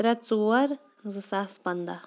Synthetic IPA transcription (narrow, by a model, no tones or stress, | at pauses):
ɾɐt͡suwɐɾ | zɨsaspɐnd̪a